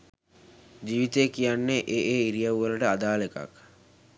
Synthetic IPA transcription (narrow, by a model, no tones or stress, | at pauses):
d͡ʒiːʋit̪ejkijanːeʔeʔeːiɾijawʋələʈəad̪aːleka̰k